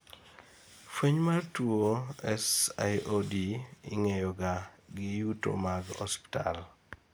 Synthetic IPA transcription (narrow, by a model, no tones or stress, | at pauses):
fweɲmartuoɛsa̰jodiɪŋɛjɔɡaɡɪjuto̰maɡɔ̰spi̥ta̰l